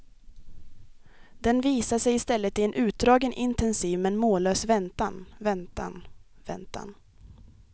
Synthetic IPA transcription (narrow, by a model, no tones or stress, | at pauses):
d̪̥ɛnviːsaʂɛjɪst̪ɛlːət̪ɪɛnʔʉ̟ːt̪̚d̪ɾɑːɡənʔɪnt̪ɛnsiːvmɛnmoːløːsvɛnt̪anvɛnt̪a̰n | vɛ̰nt̪a̰n